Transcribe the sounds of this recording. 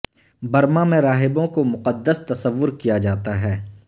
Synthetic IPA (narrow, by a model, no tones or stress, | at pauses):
bɐɾmamẽɾaːɦɪbõkomʊqəd̪ːəst̪ɐsəʋːʊɾkijad͡ʒaːt̪aɦɛː